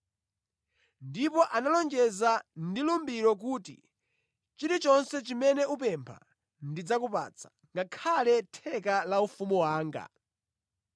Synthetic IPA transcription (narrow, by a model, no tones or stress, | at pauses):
ndipɔʔanalɔŋd͡ʒɛzandilumbiɾɔk̬uːtḭ | t͡ʃiɾit͡ʃɔnsɛt͡ʃimɛnɛup̬ɛmpʰa̰ | ndid͡zakupa̰t͡sʰḁ | ŋɡakʰalɛtʰɛkalaufumuwaːŋɡa̰